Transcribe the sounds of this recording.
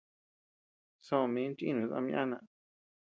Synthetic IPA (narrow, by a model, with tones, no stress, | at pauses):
sõ˧˨mĩ˨˦n˦t͡ʃḭ̃˦˧nũ˨˦zã̰˧mj̃ʔã˦˧nã˧ʔ